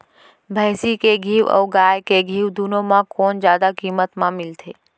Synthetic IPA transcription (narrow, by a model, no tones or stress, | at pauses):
bʱəɪsikeɡʱiːʋə̰ːɡaːjkeɡʱiːʋd̪unõmãkoːnzjaːd̪akiːmət̪mãmɪlt̪ʰeː